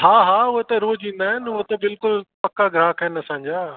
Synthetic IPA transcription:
haːɦaːʊɦet̪ɐɾoːd͡ʑĩːn̆d̪aːɦɪnʊɦet̪ɐbɪlkʊlpɐkaɡʱɾaːɦkɐɦɪnɐsãːɲd͡ʑaː

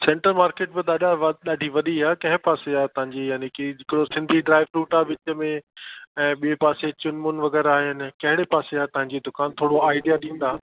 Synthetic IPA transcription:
sɛ̃ːɳʈəɾmaːɾkeːʈbɪɗ̪aːɗaʋɗaːɖʱiʋɐɗiaːkɐ̃ɦɪ̃paːseaːt̪ɐʋ̤ãɲd͡ʑijaːnekid͡ʑɪkɪɽosɪ̃nd̪ʱiɖɾaːɪʋɾuːʈaːʋɪt͡ɕəmẽɛ̃ːɓiepaːset͡ɕʊnmʊnʋɐɣɛːɾaːɦɪnɪ̆kɐɦɪɽepaːseat̪ɐɦãɲd͡ʑid̪ʊkaːnt̪ʰoːɽoaːɪɖijaɗĩːn̆d̪aːɦɪnɪ̆

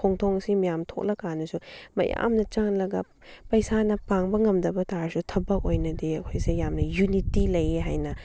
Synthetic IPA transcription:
oŋtʰoŋsimijamtʰok̚lɐkanɐsumɐ̰ja̰mnɐt͡ʃaŋlɐɡɐ | pɐjsanɐpaŋbɐŋɐmdɐbɐtaɾsutʰɐbɐk̚ojnɐdiɐkʰojsejamnɐjunitilɐjeɦa̰jnɐ

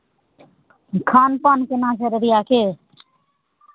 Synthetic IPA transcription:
kʰanpankenãt͡ʃʰəɾeɾijakʰe

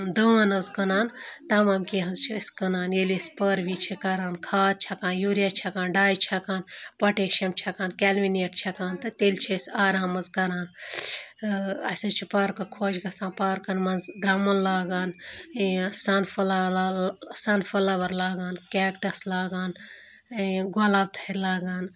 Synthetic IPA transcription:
d̪əːnɐzkɐnaːnt̪ɐmamkeɦɐzt͡ʃʰisʲkɐnaːnelispɐɾʋit͡ʃʰikɐɾaːnkʰaːt̪̚t͡ʃʰɐkaːnjuɾijat͡ʃʰɐkaːnɖaːjt͡ʃʰɐkaːnpɐʈeʃɐmt͡ʃʰɐkaːnkɛlmineʈt͡ʃʰɐkaːnt̪ɨt̪elt͡ʃʰisʲaːɾamɐzkɐɾaːn | ɐsɐ̃t͡ʃʰipaːɾkɐkʰoːd͡ʒɡɐsãːnpaɾkɐnmɐnzd̪ɾɐmɐnlaːɡaːn | sanfɐla | sɐnfɐlaʋɐɾlaːɡaːnkɛːkʈɐslaːɡaːn | ɡolaːb̚t̪ʰɐiɾlaːɡaːn

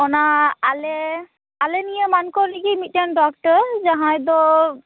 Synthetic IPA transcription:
ɔnaalɛ | alɛnijamankɔliɡimitandɔk̚ʈɔzaɦãjd̪ɔ

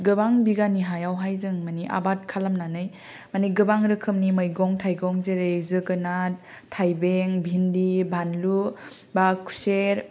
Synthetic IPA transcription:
ɡɯbaŋbiɡaniɦajawɦajzɯŋmaniʔa̰bat̚kʰalamnanɯj | maniɡɯbaŋɾɯkʰɯmnimɯjɡɔŋtʰajɡɔŋzeɾezɯɡɯnat̚ʰː | ajbeŋbʱindibʱanlu | bakʰu̥seɾ

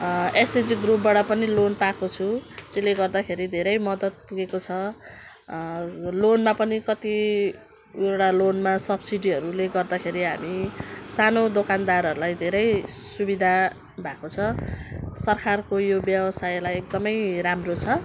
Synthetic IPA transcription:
esed͡ziɡrup̚baɽʌpʌnilonpakot͡sʰũt̪eleɡʌrd̪akʰeɾid̪ʱeɾʌjmʌd̪ʌt̪̚puɡekot͡sʰʌ | lonmapʌnikʌt̪i | ewʈalonmasʌbsiɖiʌɾuleɡʌrd̪akʰeɾiɦa̰misanod̪okand̪aɾʌɾulajd̪ʱeɾʌjsubid̪ʱa | bʱakot͡sʰʌ | sʌrkarkojobjʌbʌsajlajek̚d̪ʌmʌjɾamrot͡sʰʌ

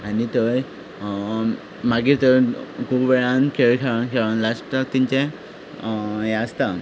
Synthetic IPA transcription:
anit̪əɾ | maɡit̪əɾkʰubbeɭãnkʰeɭkʰeʋankʰeʋanlasʈət̪iɲt͡ɕẽ | jãəst̪a

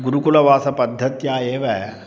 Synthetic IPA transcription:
ɡuɾukulɐʋaːsɐpɐd̪ʱːɐt̪jaːeːʋɛ

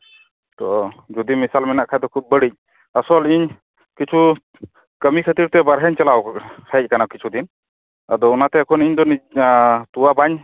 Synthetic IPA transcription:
t̪ɔd͡ʒud̪imisalmɛnaʔkʰajd̪ɔkʰub̚ːəɽic̚ | asɔliɲ | kit͡ʃʰu | kəmikʰət̪iɾt̪ɛbaɾɦəɲt͡ʃalawhʰəc̚ˀkanakit͡ʃʰud̪in | ad̪ɔunat̪ɛːkʰɔniɲd̪ɔnit̪uwabaɲ

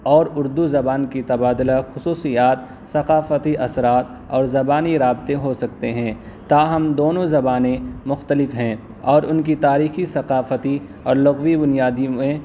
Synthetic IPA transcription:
ɔːɾʊɾd̪uzɐbaːnkit̪ɐbaːd̪laxʊsuːsijaːt̪ | sɐqaːfət̪iʔɐsɾaːt̪ | ɔːɾzɐbaːniɾaːbɪt̪eɦosɐkt̪eɦɛ̃ː | t̪aːɦɐmd̪oːnõzɐbaːnẽmʊxt̪əlɪfɦɛ̃ː | ɔːɾʊnkit̪aːɾiːxisɐqaːfət̪i | ɔːɾlɐɣwibʊnijaːd̪iẽ

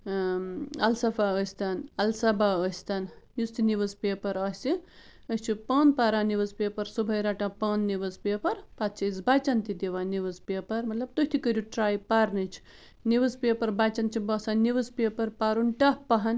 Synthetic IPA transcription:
ɐ̰lsɐfaəsʲt̪anɐlsɐbaəsʲt̪anjust̪iniʋɨzpeːpɐɾɐsʲiəsʲt͡ʃʰipɐnpaɾaːniʋɨzpeːpɐɾsubʱɐjɾaʈapɐnːiʋɨzpeːpɐɾpat̪̚t͡ʃʰɐzbat͡ʃɐnt̪id̪iʋaniʋɨzpeːpɐɾmɐt̪lɐb̚t̪uht̪ʰikəɾʲuʈɾaːjpaɾnɨt͡ʃʰi̥ | niʋɨzpepɐɾbat͡ʃɐnt͡ʃʰibɔsaniʋɨzpepɐɾpaɾunʈɐhpɐɦɐn

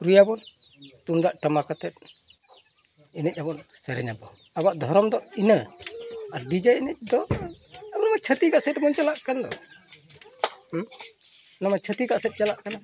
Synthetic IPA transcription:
ɾujabɔnt̪umd̪aʔʈamakat̪ɛt̪̚ | inɛc̚ˀabɔnsɛɾɛɲabɔ | abaʔd̪ʱɔɾɔmd̪ɔinə | adid͡ʒaɛnɛc̚d̪ɔabɔnamat͡ʃʰət̪ikaʔsɛt̪̚abɔnt͡ʃalaʔkand̪ɔ | namat͡ʃʰət̪ikaʔsɛt̪̚t͡ʃalaʔkana

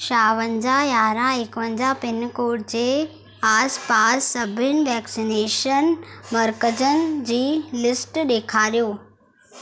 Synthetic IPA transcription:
ʃaːʋə̃ɲd͡ʑajaːɾãekʋə̃ɲd͡ʑapɪnkoːʈd͡ʑeː | aːspaːsːɐbʱɪnɪ̆ʋɛːksineːʃənmɐɾkəd͡ʑənd͡ʑiːlɪsʈɗeːkʰaːɾijoː

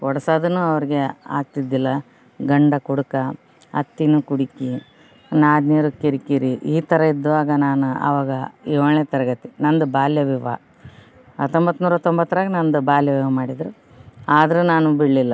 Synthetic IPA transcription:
kɔɽɐsaːd̪ɐnːuːɐʋɐɾiɡea̰ːɡ̚t̪id̪ːilːɐ | ɡɐɳɖɐkuɽukɐ | ɐ̰t̪ːinukuɽiki | naːd̪njɐɾukiɾikiɾiʔiːt̪ɐɾɐid̪ːɐʋaːɡɐnaːnuɐ̰ʋaːɡɐiʋɐɭet̪ɐɾɐɡɐt̪inɐnd̪ubaːljɐʋiʋɐ | ɐ̰t̪ːombɐt̪ːnuːɾɐt̪ːombɐt̪ːɐɾaːɡɐnɐnd̪ubaːljɐʋiʋɐmaːɽid̪ɾu | aːd̪ɐɾunaːnubiɽːilːɐ

